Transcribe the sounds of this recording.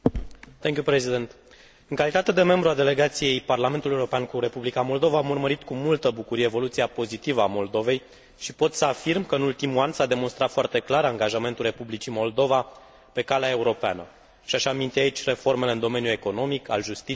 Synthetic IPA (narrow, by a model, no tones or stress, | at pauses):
t̪eŋkʲjupɾezid̪ent̪ | ɨŋkalit̪at̪e̞d̪e̞me̞mbɾuald̪e̞le̞ɡat̪sije̞jparlame̞nt̪ule̞uɾo̞peankure̞publikamo̞ld̪o̞vaːmurməɾit̪kumult̪əbukuɾievo̞lut̪siapo̞zit̪ivəamo̞ld̪o̞ve̞j | ʃipo̞t̪səafirmkəɨnult̪imuansad̪e̞mo̞nst̪ɾat̪foart̪e̞klaɾaŋɡaʒame̞nt̪ulre̞publit͡ʃimo̞ld̪o̞va | pe̞kaleae̞uɾo̞peanə | ʃiaʃamint̪iait͡ʃʲre̞fo̞rme̞leɨnd̪o̞me̞njue̞ko̞no̞mikʰa̰lʒust̪i